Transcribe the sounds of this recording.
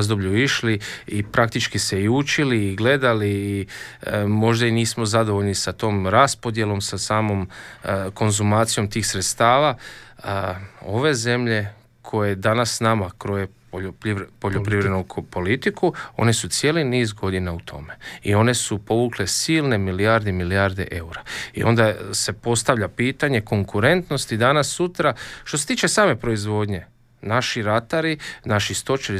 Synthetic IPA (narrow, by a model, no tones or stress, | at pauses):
zd̪obʎuiʃliipɾakt̪it͡ʃkise̞iut͡ʃiliːɡle̞d̪aliː | mo̞ʒd̪ainiːsmo̞zad̪o̞ʋoʎnisat̪o̞ːmɾaspo̞d̪je̞lo̞msasaːmo̞mko̞nzumaːt̪sijo̞mt̪iːxsɾet̪st̪aːʋaəo̞ʋe̞ze̞mʎe̞ | kʰo̞jed̪anasnamakɾojepopipoʎopɾiʋɾed̪nukpo̞lit̪ikʰuo̞̰nesut̪sje̞ːliniːzɡo̞d̪inaut̪ʰo̞̰me̞ḭo̞ne̞supo̞ʋuklesiːlˠne̞milijaɾd̪emiliaɾd̪e̞̰ʔeuɾaḭo̞̰nd̪ase̞po̞st̪aʋʎapiːt̪aɲe̞ko̞ŋkuɾe̞nt̪no̞st̪id̪anasːut̪ɾaʃt̪ose̞t̪iːt͡ʃesaːme̞pɾo̞izʋo̞d̪ɲe̞ | naʃiɾat̪aɾinaʃist̪o̞t͡ʃeɾi